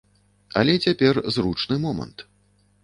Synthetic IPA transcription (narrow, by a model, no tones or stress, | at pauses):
ɐ̰lʲɛt͡sʲapʲɛrzrut͡ʂnɨmɔmɐ̰nt̪